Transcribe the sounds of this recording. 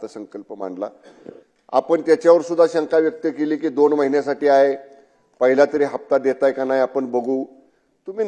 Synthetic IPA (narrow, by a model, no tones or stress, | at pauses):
əsəŋkəlpəma̰ɳɖla̰ | a̰pəɳt̪jat͡ɕjaʋəɾsud̪ʱːaɕaŋkaʋjək̚t̪əkeliːkiːd̪onməɦinjasaʈiːaɦe | pəɦilat̪əɾiːɦap̚t̪ad̪et̪ajkanajapəɳbəɡʱuː | t̪um̤iː